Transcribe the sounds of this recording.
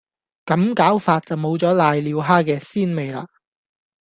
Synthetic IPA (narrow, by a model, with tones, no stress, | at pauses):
kɐ˨˥mkaː˨˥wfaː˧t̚t͡sɐ˨wmo˨˧wt͡sɔː˨˥laː˨jliː˨˧wɦaː˥kɛː˧siː˥nme˨jla̰ː˧